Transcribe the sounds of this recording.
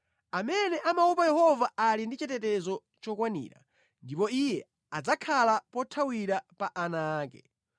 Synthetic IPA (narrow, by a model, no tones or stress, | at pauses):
amɛnɛʔamaupajɛhɔvaːlindit͡ʃɛtɛtɛzɔ | t͡ʃɔkwanḭːɾa̰ | ndipɔijɛ | ad͡zakʰalapɔtʰawiɾapaʔanaːkɛ